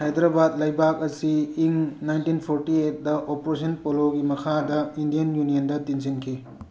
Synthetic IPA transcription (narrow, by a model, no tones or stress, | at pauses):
hajd̪ɾabad̚lɐjbakɐsiːŋnajntinpʰoɾtiet̚dɐʔopoɾes̬ʰɐnpoloɡimɐkʰadɐindijɐnjunijɐndɐtinzinkʰi